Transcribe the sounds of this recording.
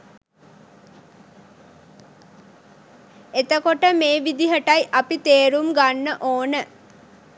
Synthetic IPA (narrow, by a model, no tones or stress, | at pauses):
et̪əkoʈəmeːʋid̪iɦəʈɐjʔɐpit̪eːɾumɡanːəʔoːnə